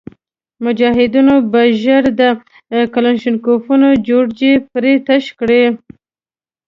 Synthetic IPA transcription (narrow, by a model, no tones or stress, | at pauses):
mʊd͡ʒɑɦɪd̪unobaʒəɾd̪ə | kalanʃɪnkofunod͡ʒoɽd͡ʒepɾet̪aʃkɽe